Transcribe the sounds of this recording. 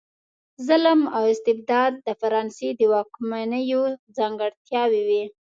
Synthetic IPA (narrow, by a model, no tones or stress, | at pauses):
zaləmawɪst̪ɪb̚d̪ɑd̪̚ːəfaɾɑnsed̪əwɑkmanəjod͡zɑŋɡəɽt̪jɑwiwi